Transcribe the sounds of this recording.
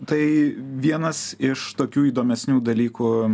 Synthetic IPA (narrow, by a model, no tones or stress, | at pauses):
t̪ɐɪʋʲiɛnɐsɪʃt̪oːkʲuːiːd̪oːmʲɛsʲnʲuːd̪ɐlʲiːkuː